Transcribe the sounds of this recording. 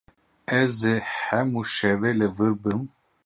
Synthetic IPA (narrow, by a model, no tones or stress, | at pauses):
ɛzehɛmuʃɛvelɨvɨɾbɨm